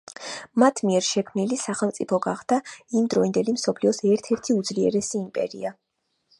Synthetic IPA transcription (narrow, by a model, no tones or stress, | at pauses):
mat̪ʰmiɛɾʃɛkʰmnilisaχɛlˠmt̪sʼipʰɔɡaχd̪̥aimd̪ɾɔind̪ɛlimsɔpʰliɔsɛɾt̪ʰɛɾt̪ʰiud̪zliɛ̰ɾɛsiːmpʼɛ̰ɾḭa